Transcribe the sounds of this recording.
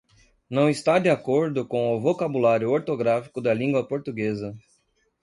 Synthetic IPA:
nɐ̃w̃ist̪ad̪ɪakoɾd̪ʊkõw̃ʊvokabulaɾjʊoɾt̪oɡɾafi̥kʊd̪ɐlĩŋɡwɐpoɾt̪uɡezɐ

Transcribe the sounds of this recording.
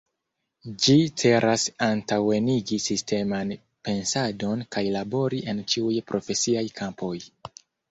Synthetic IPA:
d͡ʒit͡se̞ɾʔasantawe̞niɡisiste̞man | pe̞nsado̞nkajlabo̞ɾiʔe̞nt͡ʃiujpɾʔo̞fe̞siajkʰampo̞j

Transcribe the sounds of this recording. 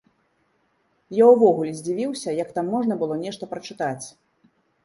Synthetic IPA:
jawvɔɣulʲɛzʲd͡zʲivʲiwsʲɐjɐkt̪amːɔʐnɐbɨlˠɔnʲɛʂt̪ɐpɾɐt͡ʂɨt̪at͡sʲ

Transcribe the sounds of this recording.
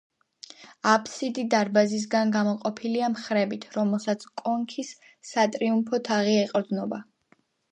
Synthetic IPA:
apʰsid̪id̪aɾbazis̬ɡanɡamɔqʼɔpʰiliamχɾɛbit̪ʰɾɔmɛlˠsat̪sʰkʼɔŋkʰisː | at̪ʼɾiumpʰɔt̪ʰaʁiɛqʼɾd̪nɔba

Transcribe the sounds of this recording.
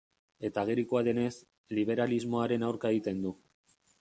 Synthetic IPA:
e̞t̪aɣeɾikoaðe̞ne̞s | liβ̞e̞ɾalizmo̞aɾe̞nawɾkaeɣit̪e̞nd̪u

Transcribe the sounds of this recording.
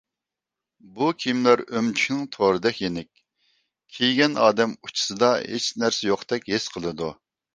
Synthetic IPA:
bukʲʰimlæɾømt͡ʃʰy̥kʲnɪŋt̪ʰoɾɨd̪ɛkʲjenɪkʲ | kʲʰejɡʲɛnʔɑ̰ːd̪ɛmut͡ʃʰi̥sɨd̪ɑɦḛt͡ʃnæɾsɛjoqt̪ɛkʲhesqʰəlˠɨd̪u

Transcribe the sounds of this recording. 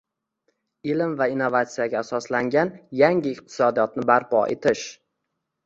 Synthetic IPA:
ɪlɪmvainːovat̪sijaɡʲaːsɒslaŋɡʲanjaŋɪɪq̚t̪ʰɪ̥sɒd̪ijɒt̪̚nɪbaɾpʰɒ̰ʔḛt̪ʰɪʃ

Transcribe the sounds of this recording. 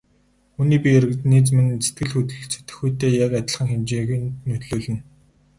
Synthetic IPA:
uniːpʲieɾɘ̆kt̪niːt͡smɘ̆nt͡se̥t̪̚ɡɘ̆ɮxut̪ɮɘ̆t͡sʰe̥t̪ɘ̆xujt̪eːjakat̪ʲɪ̆ɮχə̆ŋxemt͡ɕeːɣnt̪nɵt̪ɮoːɮɘ̆n

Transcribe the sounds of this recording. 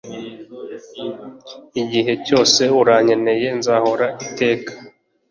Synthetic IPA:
iɟiɦe̞co̞ːse̞uɾaɲe̞ne̞je̞nzaːho̞ɾaite̞ːkḁ

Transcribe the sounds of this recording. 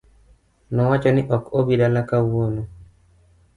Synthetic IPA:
nɔwat͡ʃɔnɪʔɔkobidalakawono

